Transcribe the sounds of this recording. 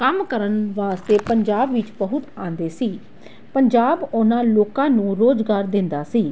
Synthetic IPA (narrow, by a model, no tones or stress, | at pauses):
kəmkəɾənʋaːst̪eːpəɲd͡ʒaːbʋɪt͡ʃbəɦʊt̪ãːnd̪eːsiː | pəɲd͡ʒaːbʊnãːloːkãːnũːɾoːd͡ʒɡaːɾd̪ɪ̃nd̪aːsiː